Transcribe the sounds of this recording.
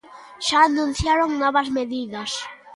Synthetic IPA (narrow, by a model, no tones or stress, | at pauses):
ʃaːnũn̟θjaɾoŋnɔβɐzmeðiðɐs